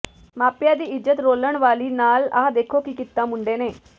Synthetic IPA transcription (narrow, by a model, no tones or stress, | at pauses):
maːpjãːd̪iːɪd͡ʒət̪ɾoːləɽ̃ʋaːliːnaːlaːd̪eːkʰoːkikɪt̪ːãːmʊ̃ɳɖeːneː